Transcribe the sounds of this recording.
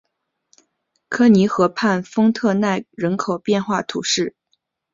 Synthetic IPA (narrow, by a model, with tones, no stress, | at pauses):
kʰɤ˥ni˧˥xɤ˧˥pʰa˥˩nfɤ˥ŋt̪ʰɤ˥˧na˥˩ɪɻə˧˥nkʰo˨˩ʊpjɛ˥˧nxwa˥˩t̪ʰu˨˧˩ʂɻ̩˥˩